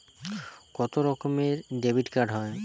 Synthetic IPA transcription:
kɔt̪oɾɔkomeɾɖebʱiʈkaɾɖɦɔe

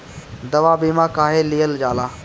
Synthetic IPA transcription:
d̪ɐʋaːbiːmãːkaːɦeːlijəld͡ʒaːlaː

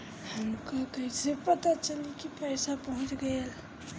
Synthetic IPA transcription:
həmkakəɦisepət̪at͡ʃəlikipəjsapəɦut͡ʃɡel

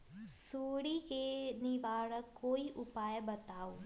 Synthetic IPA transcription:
suːɽikenibaːɽəkːoːiʔʊpaːjbɐt̪aːoː

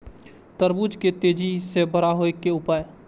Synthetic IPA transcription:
t̪əɾbuːd͡ʒket̪eːd͡ʒisebəɾaɦoekeʊpaːj

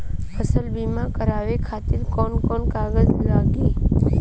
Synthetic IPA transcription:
əsəlbimãkəɾaːʋekʰat̪ɪɾkɔːnkɔnkaɡəzlaɡiː

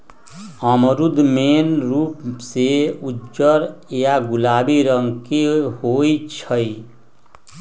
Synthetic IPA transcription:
əmɾud̪ʱmenɾupseud͡ʒəɾjaɡulabiɾəŋkehojt͡ʃʰəj

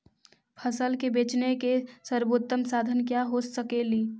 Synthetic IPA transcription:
pʰəsəlkebeːt͡ʃnekesəɾboːt̪ːəmsaːd̪ʱənkjaɦosəkeːliː

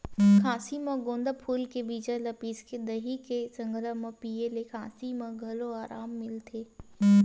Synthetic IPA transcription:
kʰaːsimɐ̃ɡõːnd̪əpʰuːlkebiːd͡ʒəlɐpiːsked̪ɐɦikesə̃ŋɡɾəmɐ̃piːelekʰãːsimɐ̃ɡʱɐloaːɾaːmːɪlt̪ʰeː

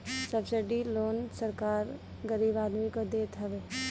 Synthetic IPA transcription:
səbseɖiloːnsəɾkaːɾ | ɡəɾiːbaːd̪mikəd̪eːt̪ɦɐʋe

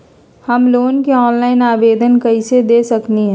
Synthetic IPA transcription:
həmloːnkeɔːnlaːɪnaːbeːd̪ʱənkəɦɪsed̪esəkniɦɛ̃

